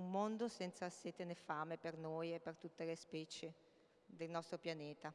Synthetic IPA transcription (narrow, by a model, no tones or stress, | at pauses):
umːond̪osɛnt̪saseːt̪enefaːmepernojepːert̪ut̪ːelespɛːt͡ʃe | d̪elnɔst̪ɾopjanɛːt̪a